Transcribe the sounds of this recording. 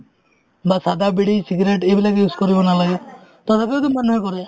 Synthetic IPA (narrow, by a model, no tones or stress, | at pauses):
basad̪abiɽisiɡɾeʈebilakejuskɔɾibɔnalaɡet̪ɔt̪ʰapeod̪imanɔjkɔɾe